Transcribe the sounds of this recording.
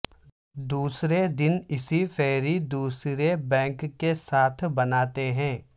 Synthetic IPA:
d̪uːsɾed̪ɪnɪsifɛːɾid̪uːsɾebɛ̃ːŋkːesaːt̪ʰbɐnaːt̪eɦɛ̃ː

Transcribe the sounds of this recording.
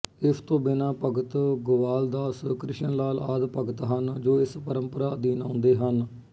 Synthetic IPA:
ɪst̪õːbɪnãːpəɡət̪ɡʊʋaːld̪aːskɾɪʃənlaːlaːd̪pəɡət̪ɦənd͡ʒoːɪspəɾəmpəɾaːd̪iːnãːnd̪eːɦən

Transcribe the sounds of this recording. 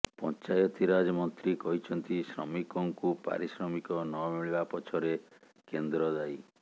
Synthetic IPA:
pɔnt͡ʃajɔt̪iɾad͡ʒɔmɔnt̪ɾikɔɦit͡ʃʰɔnt̪isɾɔmikɔŋkupa̰ɾisɾɔmikɔnɔmiɭibapɔt͡ʃʰɔɾe | kend̪ɾɔd̪aj

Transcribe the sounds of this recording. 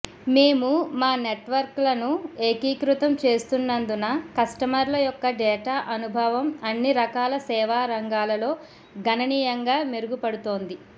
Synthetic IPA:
me̞ːmumaːne̞ʈʋɐɾklɐnueːkiːkɾut̪ɐmt͡ʃe̞ːst̪unːɐnd̪unɐkɐsʈɐmɐɾlɐjɔkːɐɖɛːʈaːʔɐnubʱɐʋɐmɐnːiɾɐkaːlɐsɛːʋaːɾɐŋɡaːlɐlo̞ː | ɡʱɐnɐniːjɐŋɡaːmeɾuɡupɐɽut̪o̞ːnd̪i

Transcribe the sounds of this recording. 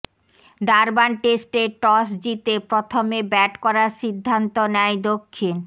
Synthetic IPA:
ɖaɾbanʈesʈeʈɔsd͡ʑit̪epɾot̪ʰomebɛʈkɔɾaɾʃid̪ʱːant̪onɛjd̪okʰːin

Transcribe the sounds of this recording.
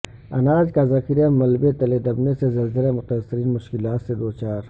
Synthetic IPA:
ɐnaːd͡ʒkazɐkɪɾjamɐlbet̪ɐled̪ɐbnesezɐlzəlemʊt̪asːɪɾiːnmʊʃkɪlaːt̪sed̪oːt͡ʃaːɾ

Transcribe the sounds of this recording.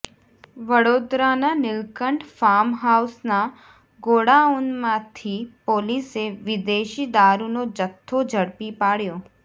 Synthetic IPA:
ʋəɽod̪ɾananɪlkəɳɖfamɦausna | ɡoɽaunmãt̪ʰipoliseʋɪd̪eʃid̪aɾunod͡ʒət̪ʰːod͡ʒʱəɽpipaɽjo

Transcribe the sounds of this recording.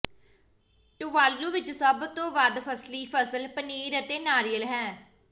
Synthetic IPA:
ʈʊʋaːlːuːʋɪt͡ʃsəbt̪õːʋəd̪pʰəsliːpʰəsəlpəniːɾət̪eːnaːɾijəlɦɛː

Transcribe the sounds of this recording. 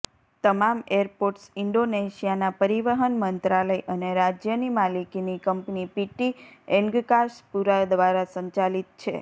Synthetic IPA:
t̪əmameɾpoɾʈsɪɳɖoneʃijanapəɾiʋəɦənmənt̪ɾaləjʔəneɾad͡ʒjənimalikinikəmpnipiʈiɛ̃ŋɡkaʃpuɾad̪ʋaɾasəɲt͡ʃalit̪̚t͡ʃʰḛ

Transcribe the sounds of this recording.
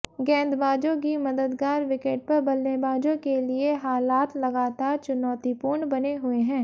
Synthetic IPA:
ɡɛ̃ːnd̪baːd͡ʒõk̬imɐd̪əd̪ɡaːɾʋɪkeːʈ̚pɐɾbɐlnebaːd͡ʒõkelieɦaːlaːt̪lɐɡaːt̪aːɾt͡ʃʊnɔːt̪ipuːɾɳbɐneɦʊeɦɛ̃ː

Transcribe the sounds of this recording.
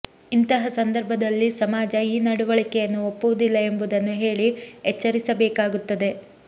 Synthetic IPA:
int̪ɐɦɐsɐnd̪ɐɾbʱɐd̪ɐlːisɐmaːd͡ʒɐiːnɐɽuʋɐɭikɛjɐnːuopːuʋud̪ilːɐe̞mbud̪ɐnːuɦe̞ːɭiet͡ʃːɐɾisɐbɛːkaːɡut̪ːɐd̪e̞

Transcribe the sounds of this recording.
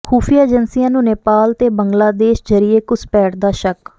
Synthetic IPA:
kʰuːpʰiːaːd͡ʒənsijãːnũːneːpaːlt̪eːbəŋɡlaːd̪eːʃd͡ʒəɾɪeːkʊspɛːʈd̪aːʃək

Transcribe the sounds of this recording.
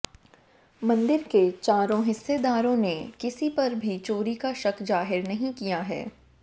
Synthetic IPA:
mɐ̃nd̪ɪɾket͡ʃaːɾõɦɪsːed̪aːɾõnekɪsipɐɾbʱit͡ʃoːɾikaʃɐkd͡ʒaːɦɪɾnɐɦĩkijaɦɛ̰ː

